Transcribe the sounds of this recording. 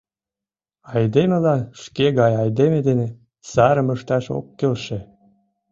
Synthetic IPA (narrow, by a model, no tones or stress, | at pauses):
ɑjd̪emelɑʃkeɣɑjɑjd̪emed̪ene | sɑɾəməʃt̪ɑʃo̰kːelʃe